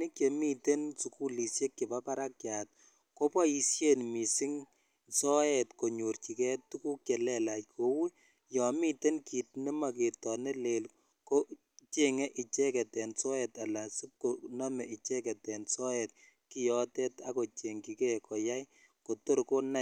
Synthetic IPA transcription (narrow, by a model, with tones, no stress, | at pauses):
ni˦kje˨mi˦te˦nsu˨ku˦li˨sje˦kːi˨ba˦pa˦ɾa˦kjat̚ | ko˦pɔ˦ji˧sje˦nmi˨sɪ˦ŋ | sɔ˦ɛtko˨ɲu˨ɾt͡ʃi˨kɛ˦ttu˦ku˦kɛ˨lɛ˦la˨jkʰo˨wi˦ | jɔ˨mi˦te˦nki˨t̚nɪ˦ma˨ke˨tɔne˦le˨l | ko˦ | t͡ʃe˦ŋɛ˦ʔi˨t͡ʃɛ˦kɛ˨tɛ˨nsɔ˦ɛ˨ta˨la˨sɪ˦p̚ko˨nɔ˦mɛ˨ʔi˨t͡ʃɛ˦kɛ˨tɛ˨nsɔ˦ɛt̚ | ki˦jɔ˨tɛ˦ta˦ko˨t͡ʃe˨ŋki˨kɛ˦kɔ˨ja˦j | ko˨to˦ɾko˦na˦˨